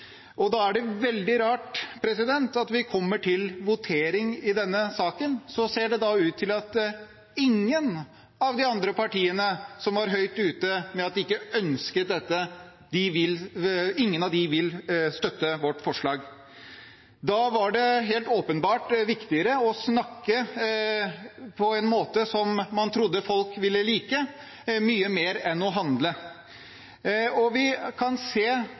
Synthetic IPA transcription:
ɔd̪ɑæɖɛʋɛld̪ɪɾɑːʈpʰɾɛsɪd̪ɛnt̪ɑt̪ʋɪkʰɔmːəʈʰɪlʋʊt̪ʰeːɾɪŋɪd̪ɛnːəsɑːkənsɔseːɖɛd̪ɑʉːt̪ʰːɪlɑt̪ | ɪŋːən | ɑʋd̪ɪɑnd̪ɾəpʰɑʈiːənəsɔmʋɑɾɦœʏt̪ʉːt̪əmɛɑt̪̚d̪ɪɪkːəœnskəd̪ɛt̪ːə | d̪̥ɪʋɪlɪŋːənɑʋd̪ɪʋɪlst̪œt̪ːəʋɔʈːfɔʂɭɑːɡ | d̪ɑʋɑɖɛɦeːlt̪oːpənbɑːʈʋɪkt̪ɪəɾəɔsnɑkːə | pʰɔɛnmoːt̪əsɔmːɑnt̪ʰɾʊd̪ːəfɔlkʋɪlːəliːkə | myːəmeːɾɛnɔɦɑnd̪lə | ɔʋɪkʰɑnseː

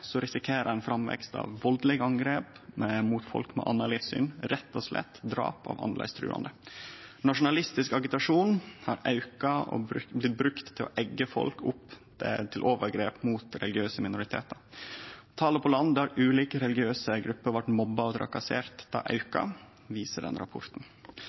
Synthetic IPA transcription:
sɔɾɪsɪkʰeːɾəænfɾɑmʋɛ̰kst̪ɑ̰ʋʋɔld̪lɛɡəɑŋɡɾeːpmɛmuːt̪fɔ̰lkmɛ̰ʔɑ̰nːɑliːfsy̰ːnɾɛt̪ːɔslɛ̰t̪ːd̪ɾɑ̰ːpɑ̰ʋɑ̰nlæ̰ɪst̪ʰɾʉ̰ːɑ̰nd̪ənɑʂʊnɑlɪst̪ɪskɑɡɪt̪ɑʂuːnhɑɾɑʉkɑɔ̰ɾblɪt̪̚bɾʉkt̪ʰːɪlɔ̰ʔɛɡːəfɔ̰lkʊp | t̪ʰɪlʔoːʋəɾɡɾeːpmuːt̪ɾɛlɪɡɪøːsəmɪnʊɾɪt̪ʰḛːt̪əɾt̪ʰɑːləpʰɔlɑnd̪æɾʉːliːkəɾɛlɡɪøːsəɡɾʉpːəɾʋɑʈmɔbːɑɔd̪ʰɾɑ̰kɑseːɾt̪d̪̥ɑ̰ːʔɑʉkɑ̰ | ʋiːsəɖɛ̰nɾɑ̰pʰɔɾt̪n̩

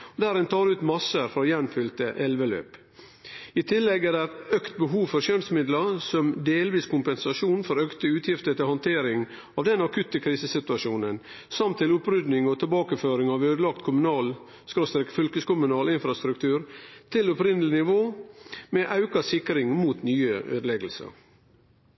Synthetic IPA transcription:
d̪æːɾɛnt̪ʰɑːɾʉːt̪mɑsəɾfɾɑjɛnfʏlt̪əʔɛlʋəlø̰ːp | ɪt̪ʰɪlːɛɡæɖæt̪œkt̪̚bəɦuːʋfɔɾʃœnsmɪd̪lɑsɔmd̪eːlʋiːskʊmpɛnsɑʂuːnfɔɾœkt̪əʉːt̪ʰjɪft̪ət̪ɪlhɔnt̪ʰeːɾɪŋ | ɑʋd̪ɛnɑkʰʉt̪ːəkʰɾiːsəsɪt̪ʉɑʂuːnən | sɑmt̪ːɪlʊpɾʏd̪nɪŋɔt̪ʰɪlbɑːkəføːɾɪŋɑʋøːd̪əlɑk̚t̪kʰʊmʉnɑːl | skɾost̪ɾɛkfʏlkəskʊmʉnɑːlɪnfɾɑst̪ɾʉk̚t̪ʰʉːɾt̪ʰɪlɔpɾɪnəlɪnɪʋoːmɛʔɑʉkɑsɪkɾɪŋmuːt̪nyːəʔø̰ːd̪əlɛɡəl̩sə̰ɾ

